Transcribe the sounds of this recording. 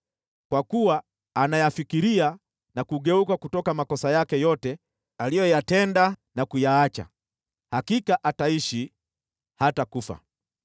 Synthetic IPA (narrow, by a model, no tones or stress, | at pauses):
kwakuwaː | najafikiɾia | nakuɠɛukakutɔkamakɔsajakɛjɔtɛ | alijɔjatɛndanakujaat͡ʃa̰ | hakikaʔataiʃi | hatakufa̰